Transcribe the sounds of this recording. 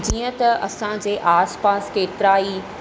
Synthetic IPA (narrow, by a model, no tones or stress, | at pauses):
d͡ʑiːə̃t̪ɐʔɐ̰sãd͡ʑeːʔaːspaːskeːt̪ɪɾaːi